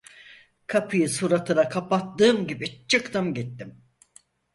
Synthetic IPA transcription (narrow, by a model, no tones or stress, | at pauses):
kʰapʰɯjɯsuɾat̪ʰɯɾakʰapat̪ːɯːmɟibit͡ʃʰːɯkt̪ɯmɟit̪ːim